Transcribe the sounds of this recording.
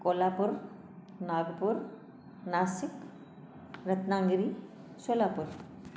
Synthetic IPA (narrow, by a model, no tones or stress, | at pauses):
kolapuɾ | naːɡpuɾ | naːsɪk | ɾət̪naːŋɡɾi | solaːpuɾ